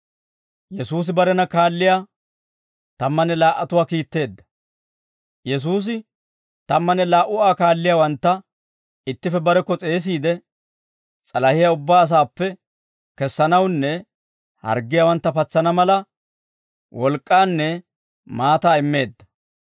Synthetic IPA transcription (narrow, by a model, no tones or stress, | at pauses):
jɛsuːs̬ɪbɐɾɛnɐkaːlːɪjaː | t̪ɐmːɐnɛlaːʔːɐt̪ʊwaːkiːt̪ːe̞ːd̪ːɐ̥ | jɛs̬uːs̬ɪ | t̪ɐmːɐnɛlaːʔʊaːkaːlːɪjaːwɐnt̪ːɐ | ɪt̪ːɪfɛbɐɾɛkːɔt͡sʼe̞ːs̬iːd̪ɛ | t͡sʼɐlɐhɪjaʊbːaːs̬aːpːɛ | kɛsːɐnɐwnːɛ | hɐ̰ɾɡːɪjawɐnt̪ːɐpɐt͡sːɐnɐmɐlɐ | wɔlkʼːaːnːɛ | maːt̪aːɪmːe̞ːd̪ːɐ̥